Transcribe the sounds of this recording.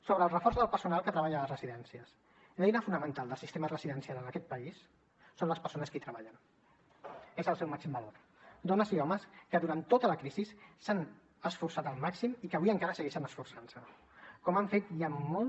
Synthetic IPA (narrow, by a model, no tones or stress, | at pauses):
soβɾəːlˠrəfɔɾzðəlˠpəɾsunalˠkət̪ɾəβaʎələzrəziðɛnsiəs | lɛjnəfunəmə̃nt̪alˠd̪əlˠsist̪emərəziðənsialənəkɛt̪̚pəisː | onləspəɾsonəskit̪ɾəβaʎən | ezəlˠsɛwmaksimbəloɾ | d̪onəziɔməskəðuɾant̪ːot̪ələkɾizisːan | əsfuɾsat̪əlˠmaksimikəβiəŋkaɾəsəɣɛʃənəsfuɾsansə | kɔmaɱfet̪jamolˠ